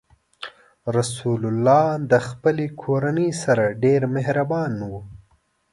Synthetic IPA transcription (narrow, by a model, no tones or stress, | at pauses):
ɾasulʊlːɑːd̪əxpəlekʰoɾanəjsaɾaɖeɾmeɦɾabɑnwu